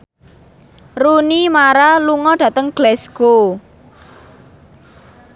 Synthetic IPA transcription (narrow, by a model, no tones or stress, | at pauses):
runimaɾaluŋɔɖ̥ä̤t̪əŋɡ̥lɛsɡ̥o